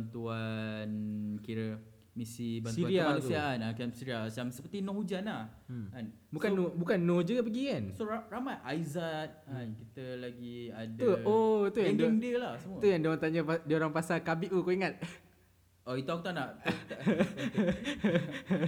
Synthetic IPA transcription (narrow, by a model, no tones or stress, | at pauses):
ant̪uankiɾə | misibansiuaɾiamanusiaanakansiɾialsamsəpət̪inɔ̃hud͡ʒanahkan | bukanːobukanːod͡ʒuɡap̬əɡikansoɾaramajʔajzat̪̚ankit̪əlaɡiadt̪uoit̪ujaaŋdɛŋdiəlahsəmut̪ujaŋdioaŋt̪aɲapadioɾaŋpasalkabiʔukoiŋat̪̚ | ʔɔit̪uakut̪anaʔ